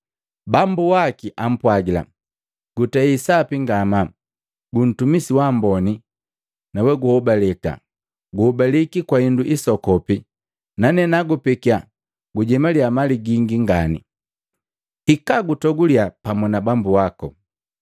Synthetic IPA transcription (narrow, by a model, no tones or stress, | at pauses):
bambuwakiʔam̩pwaɡila̰ | ɡ̥utɛisapiŋɡama | ɡun̩tumisiwambɔni | nawɛɡuhɔbalɛka̰ | ɡuhɔbalikikwainduʔisɔkɔpi | nanɛnaɡupikia | ɡuɟɛmaliamaliɡiŋɡiŋɡanḭ | hikaɡutɔɡuliapamunabambuakɔ